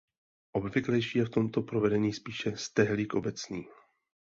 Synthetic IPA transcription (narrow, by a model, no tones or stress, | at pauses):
ʔo̞bvɪklɛjʃiːjɛft̪o̞mt̪o̞pɾovɛdɛɲiːspiːʃɛst̪ɛɦlikʔo̞bɛt͡sniː